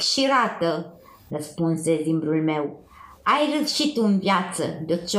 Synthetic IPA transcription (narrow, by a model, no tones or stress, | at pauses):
ʃiɾat̪ə | rəspunse̞limbɾulme̞w | ajrəʃit̪ɨnvjat̪səd̪ət͡ʃ